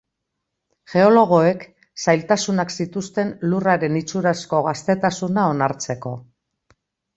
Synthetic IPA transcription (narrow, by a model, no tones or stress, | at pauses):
ʝe̞o̞lo̞ɣ̞o̞e̞k | sajlt̪asunaksit̪ust̪e̞nluraɾe̞nit͡suɾasko̞ɣast̪e̞t̪asunao̞naɾt͡se̞ko̞